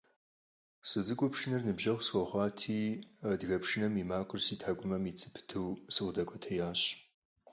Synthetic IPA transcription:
sɨzɨkʷʼɔpʃɪnɐrnɨbʒɐʁsxʷɔχʷɑːtʰiːdɣɐpʃɪnɐmiːmaːqərsiːtʰaːɡʷʼʊmɐmiːt͡sʼɨpʰɨ̥tʰɨwsɨʁʷdɐkʷʼɔtʰɐjaːɕ

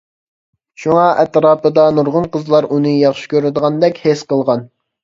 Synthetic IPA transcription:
ʃuŋɑʔɛt̪ɾɑːpəd̪ɑnuɾʁʊnqəzlˠɑɾʔunɨjɑχʃi̥kʲøɾɪd̪əʁɑnd̪ɛkʲhesqəlˠʁɑn

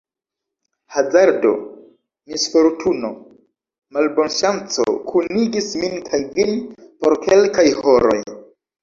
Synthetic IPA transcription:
hazaɾdo̞̰ | misfo̞ɾtʰuno̞ | malbo̞nʃant͡so̰kʰuniɡisminkʰajvinpo̞ɾke̞lkajho̞ɾo̞̰j

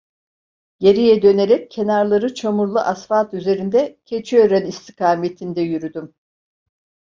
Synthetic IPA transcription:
jeɾijɛd̪ø̞ne̞ɾɛc̚ʰːe̞naɾlˠaɾɯt͡ʃʰamuɾlˠuʔasfaːt̪yze̞ɾind̪ɛcʰe̞t͡ʃʰiøɾɛnist̪ʰikʰaːme̞t̪ʰind̪ɛjyɾyd̪ym

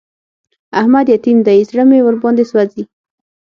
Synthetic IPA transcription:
ahmad̪jat̪imd̪aisɽəmewəɾbɑnd̪eswazi

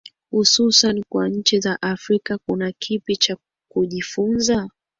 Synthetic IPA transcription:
hususanikwaɲ̩t͡ʃizaʔafɾikakunakʰipit͡ʃa | kuʄifunza

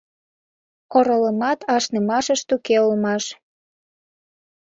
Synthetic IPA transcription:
oɾoləmɑt̪ɑʃnəmɑʃəʃt̪ukeolmɑʃ

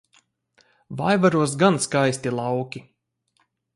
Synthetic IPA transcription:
vajvaɾuɔs̬ɡanskajsʲt̪ilˠawkʲi

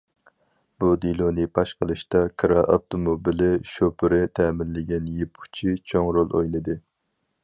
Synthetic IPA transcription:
b̥ud̪ilˠonɨpʰɑʃqəlˠɨʃt̪ɑkʰɾɑʔɑft̪ʰomobilɪʃopʰɨɾɪt̪ʰɛːmɪlːɪɡʲɛnjepʰu̥t͡ʃʰit͡ʃʰoŋɾolˠojlˠɨd̪ɨ

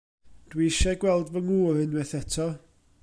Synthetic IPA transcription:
d̥wiʃɛɡwɛlˠdvəŋuːɾɨnwɛθɛtʰɔ

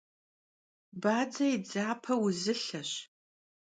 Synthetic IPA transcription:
baːd͡zɐjid͡zaːpʰɐwʊzɨɬɐɕ

